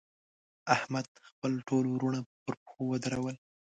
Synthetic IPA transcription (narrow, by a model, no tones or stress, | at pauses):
ahmad̪̚xpəlʈʰolɾuɳapəɾpxowəd̪aɾawəl